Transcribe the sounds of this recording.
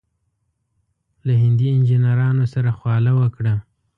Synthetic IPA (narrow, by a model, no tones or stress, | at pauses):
laɦɪnd̪iɪnd͡ʒɪnaɾɑnosaɾaxwɑlawəkɽa